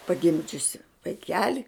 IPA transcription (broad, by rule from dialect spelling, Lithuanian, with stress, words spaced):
pɐˈɡʲɪmʲd͡ʒʲʊsʲɪ ʋɐɪˈkʲæːlʲɪ